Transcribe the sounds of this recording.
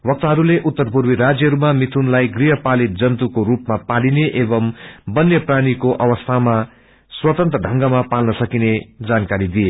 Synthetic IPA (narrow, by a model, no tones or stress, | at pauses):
wʌk̚t̪aɦʌɾuleʔut̪ːʌrpuɾmiɾad͡zjʌɦʌɾumamit̪ʰunlajɡriɦʌpalit̪̚d͡zʌnt̪ukoɾupmapalineʔebʌmbʌnjʌpraɽikoʔʌwʌst̪ʰama | swʌt̪ʌnt̪ɾʌɖʱʌŋɡʌmapalnʌsʌkined͡zankaɾid̪ije